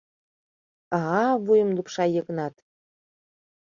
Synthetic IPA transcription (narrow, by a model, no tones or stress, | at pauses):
ɑɦɑβujə̆mlupʃɑjəɣənɑt̪